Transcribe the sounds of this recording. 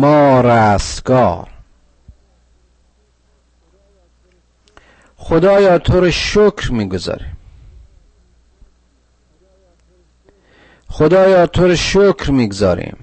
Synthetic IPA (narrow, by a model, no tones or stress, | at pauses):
mɒːɾæːsɡɒːɾ | xod̪ɒːjɒːt̪ʰoɾeʃokʰɾmiːɡozɒ̰ːɾim | xod̪ɒːjɒːt̪ʰoɾeʃokʰɾmiːɡozɒ̰ːɾḭːm